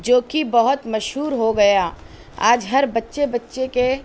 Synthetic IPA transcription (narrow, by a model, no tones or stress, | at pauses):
d͡ʒoːkibɐɦʊt̪mɐʃɦuːɾɦoɡɐjaː | aːd͡ʒɦɐɾbɐtːʃebɐtːʃeke